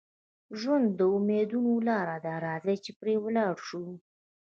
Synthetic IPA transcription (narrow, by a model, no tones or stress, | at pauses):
ʒwand̪ːəumed̪unolɑɾad̪ɑɾɑzat͡ʃepɾewəlɑɽʃu